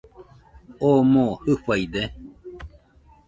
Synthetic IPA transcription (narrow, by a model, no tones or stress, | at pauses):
omõhɨɸajd̪e